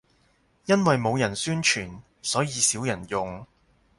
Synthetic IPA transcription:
jɐ˥nwɐ˨jmo˨˧wjɐ˨˩nsyː˥nt͡ʃʰyː˨˩n | sɔː˨˥jiː˨˧siː˨˥wjɐ˨˩njʊ˨ŋ

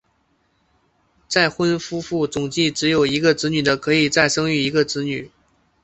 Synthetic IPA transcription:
t͡sa˥˩ɪxwə˥nfu˥fu˥˩t͡sʊ˨˩ŋt͡ɕi˥˩ʈ͡ʂɻ̩˧˥jo˨˩ʊi˧˥ɡə˧ʈ͡ʂɻ̩˧˥ny˨˩d̪ə˦kʰɤ˧˥i˨˩t͡sa˥˩ɪʂɤ˥ŋy˥˩i˧˥ɡə˧ʈ͡ʂɻ̩˧˥ny˨˩˦

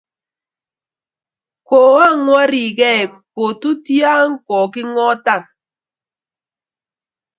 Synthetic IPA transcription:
ko˨a˦˨ŋwa˦ɾi˨kɛ˦˨ko˨tu˦tja˦ŋ˦kɔ˨ki˦ŋɔ˦ta˦˨n

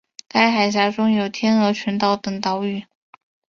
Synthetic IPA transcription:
t̪a˥˩ɪxa˨˩ɪɕ̬ja˧˥ʈ͡ʂʊ˥ŋjo˨˩ʊt̪ʰjɛ˥nɤ˧˥t͡ɕʰy˧˥nt̪ɑ˥˩ʊt̪ɤ˨˩ŋt̪ɑ˧˥ʊy˨˩˦

